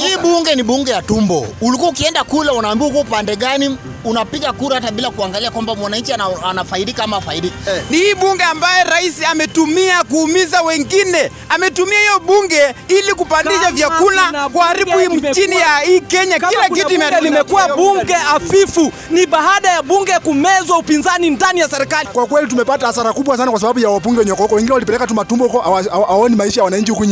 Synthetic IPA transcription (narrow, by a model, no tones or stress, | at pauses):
hiːɓuŋɡɛniɓuŋɡɛjatumbɔ̰ulikuaukiɛndakulaunaːmbiaukuaupandɛɠani | unapiɠakuɾahataɓilakuaŋɡaliakwambamwanaɲt͡ʃiaanafaiɗikaamafaiɗiknihiːɓuŋɡɛambajɛɾaisiamɛtumiakuːmizawɛŋɡinɛ | amɛtumiahijɔɓuŋɡɛilik̬upandiʃavjakunakwaːɾiɓuim̩d͡ʒinijaiːkɛɲakilakituimɛalimɛkuwaɓuŋɡɛafifu | niɓaɦaɗajaɓuŋɡɛkumɛzwaupinzanindanijasɛɾɛkalikwakwɛlit̬umɛpataasaɾakuɓwasanakwas̬aɓaɓujawap̬uŋɡɛwɛɲɔkɔhukɔwɛŋɡinɛwalipɛlɛkatumatumbɔhukɔawaaaɔnimaiʃajawanaɲ̩t͡ʃihukuɲ